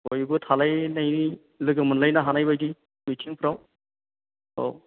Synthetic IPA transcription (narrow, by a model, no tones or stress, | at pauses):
bɔjbɯtʰalajnajni | lɯɡɯmɯnlajnaɦanajbajdi | mitʰiŋpʰɯɾaw | ɔ̰